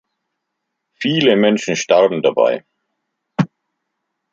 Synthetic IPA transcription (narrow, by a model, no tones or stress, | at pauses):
fiːləmɛnʃn̩ʃtaʁbm̩daba̰ɪ